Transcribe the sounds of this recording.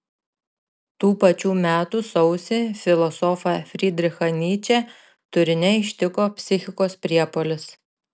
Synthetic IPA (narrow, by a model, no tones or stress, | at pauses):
t̪uːpɐt͡ʃʲuːmʲæːt̪uːsɒʊsʲɪfʲɪlˠɔsɔfɐfʲɾʲid̪ʲɾʲɪxɐnʲiːt͡ʃʲɛ | t̪ʊɾʲɪnʲɛɪʃʲt̪ʲɪkoːpʲsʲɪxʲɪkoːspʲɾʲiɛpoːlʲɪs